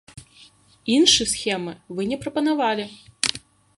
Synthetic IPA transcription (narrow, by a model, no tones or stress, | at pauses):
inʂɨsxʲɛmɨvɨnʲɛpɾɐpɐnavalʲi